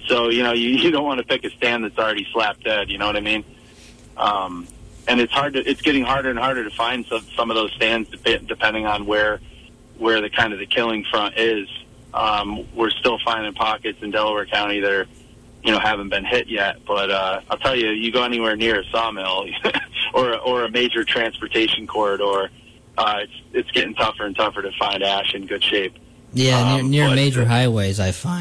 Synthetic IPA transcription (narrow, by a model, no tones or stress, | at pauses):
soʊjɨñoʊjɨjɨdõʊ̃nʔwɑñɨpɪkɨstæ̃nðɨtsl̩ˠɹɛɾislæp̚d̥ɛd̚jɨnoʊwʌɾaɪmĩn | ʔʌ̃mɨ̃nɨtshɑɹd̚tɨʔɨtsɡ̥ɛɾɪ̃ŋɦɑɹɾə˞ɨ̃nhɑɹɾə˞ɾɨfãɪ̃nd̥sʌ̃sʌ̃mʌvðoʊz̥stæ̃ndzdɨpdɨpʰɛ̃ndɪ̃ŋə̃nwə˞ | wə˞ðɨkʰãɪ̃ndʌvðɨkʰɪlˠɪ̃ŋfɹʌ̃ntɪz̥ | ʔʌ̃mwɪɹstɪlˠfãɪ̃ndɪ̃ŋpʰɑkɨtsɨ̃ndɛlˠəwə˞kʰãʊ̃ñiðə˞ | jɨñoʊhævɨ̃n̩b̥ɨ̃nhɪʔ̚jɛt̚b̥ʌɾʌaɪlˠtʰɛlˠjɨjɨɡoʊɛñiwɛɹnɪɹɨsɑmɪlˠʔə˞ʔə˞ɨmeɪd͡ʒə˞tʰɹ̥æ̃nspə˞tʰeɪʃɨ̃n̩kʰɔɹɾə˞ | ʔʌɪtsɨtsɡ̥ɛɾɪ̃ŋtʰʌfə˞ɨ̃ntʰʌfə˞ɾɨfãɪ̃ndæʃɨ̃nɡʊd̥ʃeɪp̚ | jænɪɹnɪɹmeɪd͡ʒə˞ɦaɪweɪzaɪfãɪ̃